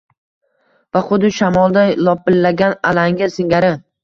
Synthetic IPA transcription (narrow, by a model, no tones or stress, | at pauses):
vaχʊd̪ɪʃamɒlˠd̪ajlˠɒpːɪlːaɡʲanalaŋɡʲɪsɪŋɡʲaɾɪ